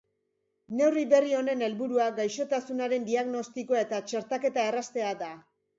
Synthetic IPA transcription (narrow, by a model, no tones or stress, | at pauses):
ne̞wriβe̞rio̞ne̞ne̞lβuɾuaɡajʃo̞t̪asunaɾe̞nd̪iaɣno̞st̪ikoae̞t̪at͡ʃe̞ɾt̪ake̞t̪ae̞rast̪e̞ad̪a